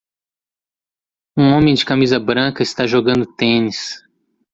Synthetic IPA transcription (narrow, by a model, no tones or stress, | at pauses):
ũõmẽj̃d͡ʒɪkamizɐbɾɐ̃kɐɪst̪aʒoɡɐ̃nd̪ʊt̪ẽnis